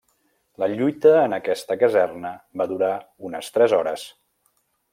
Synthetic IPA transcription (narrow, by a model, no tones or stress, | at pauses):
ləʎujt̪əːnəkɛst̪əkəzɛrnəβaðuɾa | unəst̪ɾɛzɔɾə̰s